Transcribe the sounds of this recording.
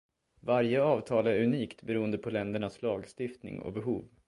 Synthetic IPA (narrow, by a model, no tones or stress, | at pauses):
vaɾjəɑːvt̪ʰɑːlæɾɵniːkt̪bɛɾuːənd̪əpʰɔlɛnd̪əɳaslɑːɡst̪ɪft̪nɪ̰ŋɔ̰bɛɦuːv